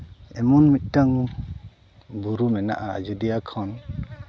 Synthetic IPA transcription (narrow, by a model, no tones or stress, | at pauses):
ɛmɔnmit̪̚taŋ | buɾumɛna̰ʔaa̰d͡ʒudijakʰɔn